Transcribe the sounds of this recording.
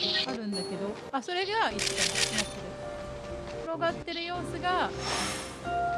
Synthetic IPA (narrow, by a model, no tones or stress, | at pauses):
aɾɯ̟̃nd̪ake̞d̪o̞ | aso̞ɾe̞ɡait͡st̪aasoɾe | ɾo̞ɡat̪ːe̞ɾɯ̟jo̞ːsɨɡã